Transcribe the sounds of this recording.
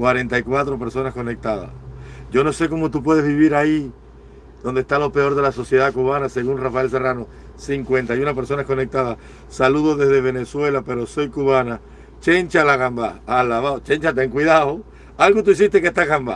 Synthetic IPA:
kwaɾe̞nt̪aikwat̪ɾo̞pe̞ɾso̞nasko̞nek̚t̪aða̰ʝo̞no̞se̞ko̞mot̪up̬we̞ð̞e̞zβiβ̞iɾai | ðo̞nd̪est̪alo̞pe̞o̞ɾðe̞laso̞sje̞ðakuβanase̞ɣunrafae̞ls̬e̞rano̞ | siŋkwe̞nt̪ajunape̞ɾso̞nasko̞nek̚t̪aða | saluðo̞ðe̞zðeβ̞e̞ne̞swe̞lape̞ɾo̞so̞jkuβana | t͡ʃent͡ʃalaɣambaalaβaot͡ʃeɲt͡ʃat̪̬eeŋkwiðao | alɣot̪uis̬ist̪ekest̪aɣamba̰

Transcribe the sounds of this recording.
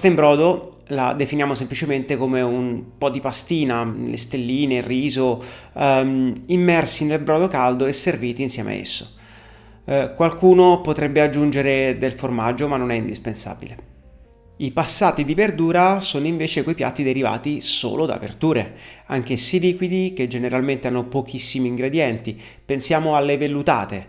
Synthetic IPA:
st̪aimbɾɔːd̪o | la̰d̪efinjaːmosemplit͡ʃement̪ekomeumpɔd̪ipast̪iːnalʔḛst̪elːiːnerːiːzo | imːɛrsinelbɾɔːd̪okald̪oeserviːt̪iːnsjɛ̰ːmʔa̰ḛsːo̰ | kwalkuːnopot̪ɾɛbːead͡ʒːund͡ʒeɾed̪elformad͡ʒːomanːonɛind̪ispensa̰ːbḭle | ipasːaːt̪id̪iverd̪uːɾasoːnoiɱveːt͡ʃekoipja̰t̪ːid̪eɾiva̰ːt̪iso̰ːlod̪a̰vḛrd̪uːɾeaŋk̟esːiliːkwid̪ik̟ed͡ʒeneɾalment̪eanːopok̟ʰisːimiːŋɡɾed̪jɛnt̪i | pensjaːmoalːevelːut̪a̰ːt̪e

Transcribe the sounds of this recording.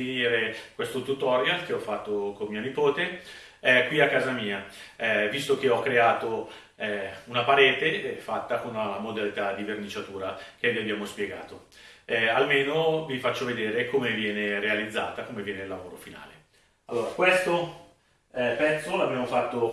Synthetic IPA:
iniːɾekwest̪ot̪ut̪ɔɾjalk̟eɔfːat̪ːokommiːonipoːt̪e | ɛkwiakːaːzamiːaɛvist̪ok̟eɔkːɾeaːt̪o | ɛunapaɾeːt̪efat̪ːakonaamod̪alit̪ad̪ːivernit͡ʃat̪uːɾak̟eviabjaːmospjeɡa̰ːt̪o | ɛalmeːnovifat͡ʃːoved̪eːɾekomevjɛːneɾealid̪zːa̰ːt̪akomevjɛːnelːavoːɾo̰fina̰ːle | alːoːɾakwest̪o | ɛpɛt̪sːoloabjaːmofat̪ːo

